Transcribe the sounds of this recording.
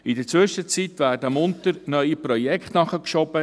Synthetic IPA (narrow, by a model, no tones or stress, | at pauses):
ɪdət͡sʋʏʃət͡sit̪ʋæːrdəmʊnt̪əɾnœʏipɾɔjɛkχt̪nɑχəkʃɔb̥ə